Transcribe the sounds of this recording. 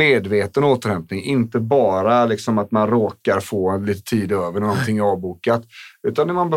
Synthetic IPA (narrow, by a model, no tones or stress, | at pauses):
eːd̪veːt̪ənoːt̪əɾhɛmpnɪŋʔɪnt̪əbɑːɾalɪksɔmat̪manɾoːkaɾfoːliːt̪ə̥t̪ʰiːd̪øːvəɾɛnɔnt̪ʰɪŋːæɾɑːvbuːkat̪ʉ̟ːt̪anɛɾmanb